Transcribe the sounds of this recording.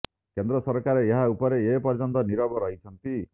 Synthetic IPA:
kend̪ɾɔsɔɾkaɾeːɦaupɔɾeːpɔɾt͡ʃɔnt̪ɔniɾɔbɔɾɔɦit͡ʃʰɔnt̪i

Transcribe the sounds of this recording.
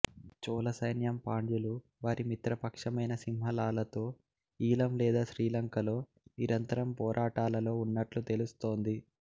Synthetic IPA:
t͡ʃɔːlɐsɐjnjɐmpaːɳd͡ʒulu | ʋaːɾimit̪ɾɐpɐkʂɐmɐjnɐsimɦɐlaːlɐt̪o̞ː | iːlɐmlɛːd̪aːʃɾiːlɐŋkɐlo̞ː | iɾɐnt̪ɐɾɐmpɔːɾʔaːʈaːlɐlo̞ːunːɐʈlut̪e̞lust̪o̞ːnd̪i

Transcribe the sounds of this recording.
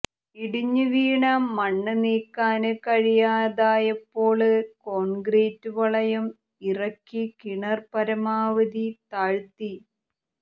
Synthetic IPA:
iɽiɲːɨʋiːɳɐmɐɳːɨniːkːaːnɨkɐɻijaːðaːjɐpːo̞ːɭɨko̞ːnɡreːtːuʋɐɭɐjɐm | irɐkːikiɳɐrpɐɾɐmaːʋɐd̪it̪aːɻt̪ːi

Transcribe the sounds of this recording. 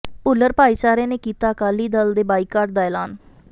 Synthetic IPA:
pʊlːəɾpaːiːt͡ʃaːɾẽːneːkiːt̪aːəkaːliːd̪əld̪eːbaːikːaːɾʈd̪aːɛːlaːn

